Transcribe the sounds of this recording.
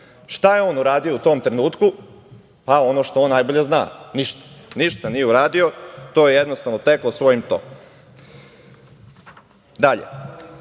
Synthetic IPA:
ʃt̪ajeo̞ːnuɾaːd̪io̞ut̪o̞ːmt̪ɾenuːt̪ku | pao̞noʃt̪oonːajbo̞ʎe̞zna̰ːniʃt̪ḁniʃt̪anije̞uɾaːd̪io̞t̪ojejed̪nost̪aʋnot̪eklˠosʋo̞jimt̪o̰ku̥m | d̪aʎḛ

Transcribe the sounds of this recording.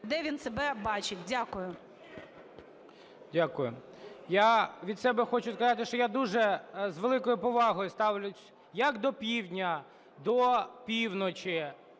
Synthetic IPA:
d̪ɛʋʲinsebɛbɑt͡ʃɪtʲdʲakʊjʊ | dʲakʊjʊ̰ | jaʋʲid̪sɛbɛxɔt͡ʃʊskɐzɑt̪ɪʃt͡ʃɔjad̪uʒɛzʋelˠɪkɔjʊpɔʋɑɦɔjʊst̪ɑwlʲʊ | jɐkd̪ɔpʲiwdʲnʲɐ | d̪ɔpʲiwnɔt͡ʃɪ

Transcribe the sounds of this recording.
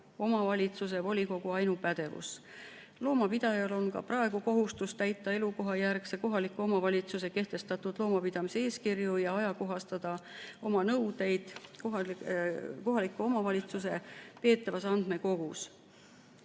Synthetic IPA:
o̞mɑvɑlʲit̪sus̬evo̞lʲiko̞ɡ̥uɑjnupæd̪̥e̞vṵs | lo̞ːmɑpid̪̥ɑjɑlo̞nkɑ̰prɑe̞ɡ̥uko̞ɦust̪ust̪æjt̪ːˑɑe̞luko̞ɦɑjærkseko̞ɦɑlikːˑuo̞mɑvɑlʲit̪suse̞ke̞ht̪e̞st̪ɑt̪ud̪̥lo̞ːmɑpid̪̥ɑmisee̞ːskirjujɑɑjɑko̞ɦɑst̪ɑd̪̥ɑo̞mɑnɤwd̪̥e̞jd̪̥ko | ko̞ɦɑlikːˑuo̞mɑvɑlʲit̪suse̞pe̞ːt̪ːˑɑvɑsɑnd̪̥meko̞ɡ̥us

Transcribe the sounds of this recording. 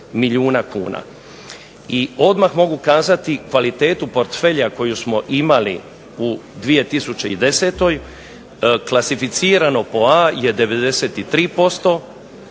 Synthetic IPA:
miʎuːnakʰṵːna̰ | io̞d̪maxmo̞ɡukaːzat̪ikʋalit̪e̞ːt̪upo̞ɾt̪fe̞ʎjako̞jusmo̞ʔimalḭ | ud̪ʋije̞t̪isut͡ɕe̞id̪e̞se̞ːt̪o̞j | klasifit̪siːɾano̞po̞aje̞d̪e̞ʋe̞d̪e̞seːt̪it̪ɾiːpo̞st̪o̞

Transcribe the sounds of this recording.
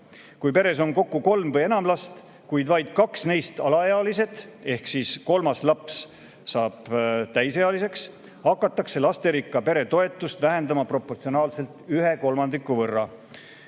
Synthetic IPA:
kujpe̞ɾe̞so̞nko̞kːuko̞lmvɤje̞nɑmlɑst̪ | kujd̪̥vɑjd̪̥̚kɑksne̞jst̪ɑlɑeɑlise̞d̪̥e̞hksisko̞lmɑslɑps | sɑːb̥t̪æjseɑlise̞ks | hɑkːˑɑt̪ːˑɑkse̞lɑst̪e̞ɾikːˑɑpe̞ɾe̞t̪o̞e̞t̪ːˑust̪væɦe̞nd̪ɑmɑpro̞pːo̞rt̪sio̞nɑːlse̞lt̪yɦe̞ko̞lmɑnd̪ikːˑuvɤrːɑ

